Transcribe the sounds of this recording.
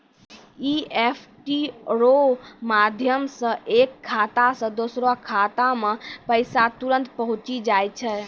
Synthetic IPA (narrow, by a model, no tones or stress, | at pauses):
iepʰʈiɾomad̪ʱjəmsə̃ʔekʰːat̪asə̃d̪osɾoakʰat̪amepəɪsat̪uɾə̃nt̪pəɦũt͡ʃid͡ʒajt͡ʃʰɛ